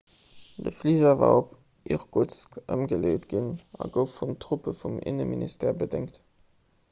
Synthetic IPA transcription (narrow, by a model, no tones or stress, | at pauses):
d̥əfliːzɐva̰ːop | ʔiʁɡut͡skʔə̰mɡəleːtɡ̥inɑɡəʊfːuntʁ̥ʊpəfumɪ̰nəminʔistʰɛːɐbədɪŋkt